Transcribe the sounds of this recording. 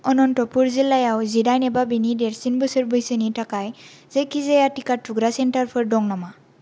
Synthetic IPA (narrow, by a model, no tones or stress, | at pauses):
ɔnɔnʈɔpuɾzilajawzidajnɛbabinideɾsinbɯsəɹbɯjsəniʈakaj | zejkizejaʈikaʈʰuɡɾasenʈaɾpʰɔɾɖɔŋnɔma